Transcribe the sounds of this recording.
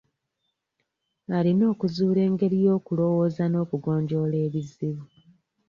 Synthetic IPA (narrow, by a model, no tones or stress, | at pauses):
alino̞ːkuzuːle̞ːŋɡe̞ɾijo̞ːkulo̞wo̞ːzano̞ːkuɡo̞ːɲɟo̞ːle̞ːβiziβu